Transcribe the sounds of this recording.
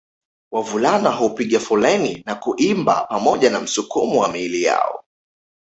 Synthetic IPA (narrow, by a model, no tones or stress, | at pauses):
wavulanaɦɔpiɠafulɛninakuʔimba̰pamɔʄanam̩sukumuwamilija̰ɔ̰